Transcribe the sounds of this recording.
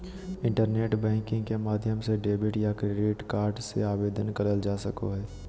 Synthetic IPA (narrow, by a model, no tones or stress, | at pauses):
ɪ̃ɳʈəɾneːʈbɛ̃ːŋkɪ̃ŋɡkemaːd̪ʱjəmseɖeːbɪʈjakɾeːɖɪʈkaːɾɖsḛaːbeːd̪ʱənkəɾəld͡ʒaːsəko̰ɦɛː